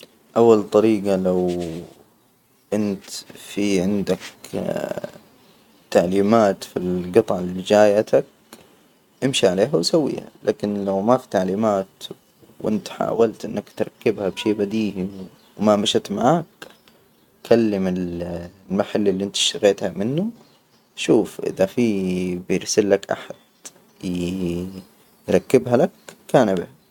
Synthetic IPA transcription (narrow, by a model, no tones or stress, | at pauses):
ʔawːalt̪ˤɑɾiːɡɑlaw | ʔɪnt̪fiʕɪnd̪ak | t̪aʕliːmaːt̪filɡɨt̪ˤɑʕɪlid͡ʒaːjat̪ak̚ | ʔɪmʃiʕaleːɦawsawːḭːha̰lʔa̰ːkɪnlawmafi̥t̪aʕliːmaːt̪ | wʔɪ̰nt̪ħa̰ːwalt̪ʔɪnːakt̪ɾˤɑkːɪbhabʃeːbad̪iːʔi | wmamaʃat̪maʕaːk | kʰalːɪmɪllmaħalːɪlːiʔɪnt̪ʃt̪ɪɣeːt̪hamɪnːu | ʃuːfʔɪ̰ðafiːbɪɪɾsɪlːakʔa̰ħad̪̥ | j | jɾˤɑkːɪbɦalakkːaːnabɪha